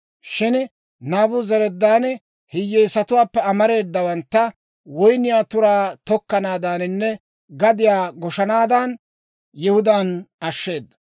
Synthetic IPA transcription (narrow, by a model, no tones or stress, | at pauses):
ʃɪn | naːbʊzɛɾɛd̪ːaːn | hɪjːeːsɐt̪ʊwaːpːɛɐmɐɾe̞ːd̪ːɐwɐnt̪ːɐ | wɔjnɪjaːt̪ʊɾaːt̪ɔkːɐnaːd̪aːnɪnːɛ | ɡɐd̪ɪjaːɡɔʃɐnaːd̪an | jɪhʊd̪aːnɐʃːe̞ːd̪ːɐ